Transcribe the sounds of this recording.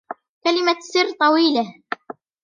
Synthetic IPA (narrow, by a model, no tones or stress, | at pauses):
kalɪmasɨrːt̪ˤɑwiːla